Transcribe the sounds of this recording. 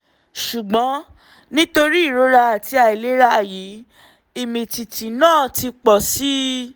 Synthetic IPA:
ʃu˨ɡ͡bɔ̃˨˦ | nĩ˦to˧ɾi˦i˦˨ɾo˨˦ɾa˧a˨ti˧a˨i˨le˨˦ɾa˧a˨ji˨˦ | i˨mĩ˨ti˨tĩ˨nãː˦˨ti˧k͡pɔ˨si˦

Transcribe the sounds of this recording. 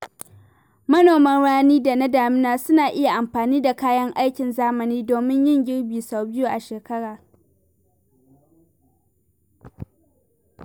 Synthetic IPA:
mɐ˦noː˨mɐ˦nɽaː˦niː˦da˨na˦daː˨mɪ˦naː˨sʊ˦naː˨ʔɪ˦ja˨ʔa˨mɸaː˨niː˦da˨kaː˦jɐ˦ŋʔa˦jkʲɪ˨nzaː˦mɐ˨niː˦doː˨mɪ˦ɲjɪ˦ŋɡʲɪ˦ɽbiː˨sa˨wbɪ˦ju˦ʔa˨ʃeː˨kɐ˦ɽaː˨

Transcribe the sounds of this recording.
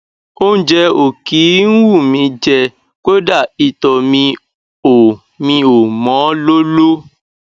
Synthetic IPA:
o˦n̩˦d͡ʒɛ˧o˨ki˨˦n̩˦wu˦˨mĩ˧d͡ʒɛ˧ | ko˦da˦˨i˨tɔ˨mĩ˧ | o˨ | mĩ˧o˨mɔ̃˨˦lo˦lo˦

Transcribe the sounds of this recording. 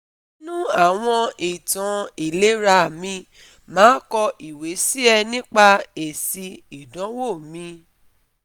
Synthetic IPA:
nũ˦a˦˨w̃ɔ̃˧i˨tã˨˦i˨le˨˦ɾa˧˨mĩ˧ | mãː˨˦kɔ˧ʔi˨we˨˦si˦ɛ˧nĩ˦k͡pa˧e˨si˧i˨dɔ̃˨˦wo˦˨mĩ˧

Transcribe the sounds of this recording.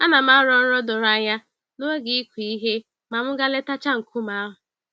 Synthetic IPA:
a˦na˨m˦a˦ɾɔ˨n̩˦ɾɔ˦dʊ˨ɾa˦˨ɲa˦ | no˦e˦ɡɪ˨i˦kʷi˨i˦ɦe˦ | ma˨m̩˦ɡa˦le˦ta˦t͡ʃa˦ŋ̩˨kʰu˦ma˦ɦʊ˨

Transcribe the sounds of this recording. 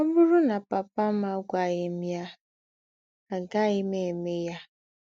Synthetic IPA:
o˦bʊ˦ɾʊ˦na˨pa˨pa˦ma˦ɡʷa˨ɣe˨m˦ja˦ | a˨ɡa˦ɪ˦me˨me˦ja˦

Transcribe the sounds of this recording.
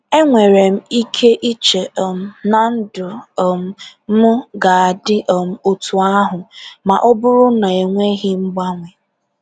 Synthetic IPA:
e˦ŋʷe˨ɾe˨m̩˦i˦kʰe˦ʔi˦t͡ʃe˨m̩˨˦na˨n̩˦dʊ˨m̩˨˦mʊ˦ɡa˨a˨dɪ˦ʔm̩˨o˨tu˨a˦ɦʊ˨ma˨ʔɔ˦bʊ˦ɾʊ˦na˨e˨ŋʷe˦ɣɪ˦ŋ͡m̩˦ɡ͡ba˦ŋʷe˨

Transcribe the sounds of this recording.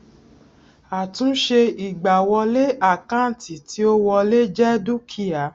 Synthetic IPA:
a˨tũ˨˦ʃe˧i˨ɡ͡ba˨wɔ˧le˦ʔa˦˨kã˦˨ti˨ti˨˦o˦wɔ˧le˦d͡ʒɛ˦du˦kʰi˦a˨˦

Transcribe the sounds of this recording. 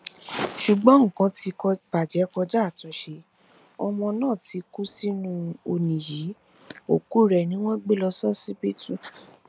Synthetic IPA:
ʃu˨ɡ͡bɔ̃˨˦ŋ̩˨kã˧˦ti˧kɔ˧pa˨d͡ʒɛ˨˦kɔ˧d͡ʒa˦˨tã˨˧˦ʃe˧ | ɔ˧mɔ̃˧nãː˦˨ti˨˧ku˦si˦nũ˦o˧nĩ˨ji˨˦ | o˨ku˦ɾɛ˨nĩ˦w̃ɔ̃˦ɡ͡be˦lɔ˧sɔ˦si˦pi˦tũ˦

